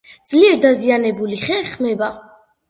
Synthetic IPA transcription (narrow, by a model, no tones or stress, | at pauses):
d̪zliɛɾd̪azianɛbuliχɛχmɛba